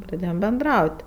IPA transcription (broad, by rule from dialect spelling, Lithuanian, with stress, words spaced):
prɐˈdʲeːjoːm bʲɛnˈdrɐʊtʲ